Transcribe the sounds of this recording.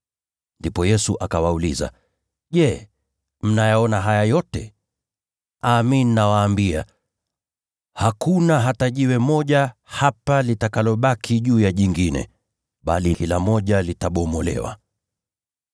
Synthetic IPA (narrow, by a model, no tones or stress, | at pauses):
ndipɔjɛsuʔakawauliza̰ | ʄɛ | m̩najaɔnaɦajajɔtɛ | aːmininawaːmbia̰ | hakunaɦataʄiwɛmɔʄahapalitakalɔɓakʰiʄuːjaʄiŋɡinɛ̰ | ɓalikilamɔʄalitaɓɔmɔlɛ̰wa̰